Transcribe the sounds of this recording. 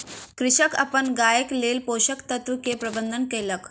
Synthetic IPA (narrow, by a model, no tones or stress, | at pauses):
kɾiɕəka̰pəɳɡajəklelpoɕəkt̪ət̪ʋukepɾəbənd̪ʱənkelək